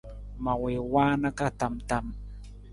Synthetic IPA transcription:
mawewaːnakat̪amt̪am

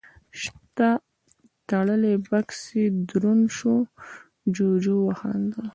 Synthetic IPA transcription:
ʃt̪a | t̪aɽəlebaksid̪ɾunʃo | d͡ʒod͡ʒuwaha̰nd̪o

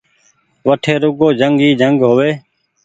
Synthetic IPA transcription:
ʋəʈʰeːɾʊɡoːd͡ʒʱəŋɡɦiːd͡ʒʱəŋɡɦoːʋeː

